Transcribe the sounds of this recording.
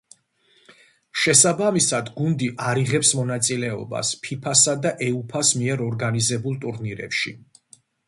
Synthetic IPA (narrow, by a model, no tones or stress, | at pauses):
ʃɛsabamisad̪ɡund̪iʔaɾiʁɛpsmɔnat̪sʼilɛɔ̰ba̰spʰipʰasad̪aʔɛupʰasmiɛɾɔɾɡanizɛbulˠt̪ʼuɾniɾɛ̰pʃi